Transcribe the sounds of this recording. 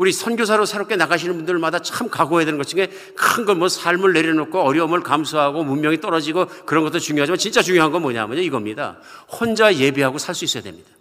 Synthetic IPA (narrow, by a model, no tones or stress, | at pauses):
uɾisʰʌnɡjos̬ʰaɾosʰeɾʌp̚k͈e̞naɣaɕʰinɯnbundɯɭmadat͡ɕʰamkaɡoɦedenɯnɡʌt͡ɕʰiŋɡe | kɯnɡʌnmwʌsʰaɭmɯɭːe̞ɾjʌnokʰoʌɾjʌmɯɭkamsʰuɦaɡomunmjʌŋit͈ʌɾʌd͡ʑiɡokɯɾʌnŋɡʌt͈eɾot͡ɕuŋjoɦad͡ʑimant͡ɕint͡ɕ͈at͡ɕuŋjoɦanɡʌmwʌɲa̰mʌɲoiɡʌmɲida̰ | hond͡ʑaje̞biɦaɡosʰaɭs͈uis͈ʌja̰dwe̞̰mɲid̥ḁ